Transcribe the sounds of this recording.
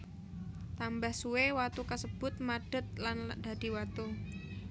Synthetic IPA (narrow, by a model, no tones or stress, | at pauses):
t̪ambahsuwewat̪ukasəb̥ʊt̪̚maɖ̥ə̤t̪̚land̪̥a̤d̪̥i̤wat̪u